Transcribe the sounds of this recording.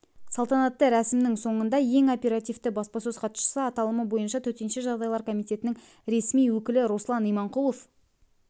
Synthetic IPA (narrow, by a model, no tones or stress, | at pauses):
sɑlˠt̪ɑnɑt̪ːəɾæsɪmnɪŋso̞ɴənd̪ɑje̞ŋopʲe̞ɾɑt̪ijft̪əbɑspɑsɵzqʰɑt̪ʃə̥səɑt̪ɑlˠəməbo̞jənʃɑt̪ʰɵɾt̪e̞nʃe̞ʒɑʁd̪ɑjlˠɑɾkʰo̞mijt̪e̞t̪ɪnɪŋ | ɾe̞smijwɵkʲɪlɪɾo̞slˠɑnijmɑɴqulˠof